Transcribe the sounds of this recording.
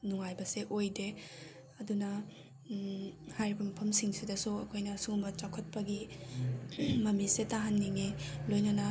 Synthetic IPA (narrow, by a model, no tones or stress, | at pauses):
nuŋajbɐseʔojde | ɐdunɐ | hajɾibɐmɐpʰɐmsiŋsidɐsuɐkʰojnɐsumbɐt͡ʃakʰɐt̚pɐɡi | mɐmisetaɦanːiŋelojnɐnɐ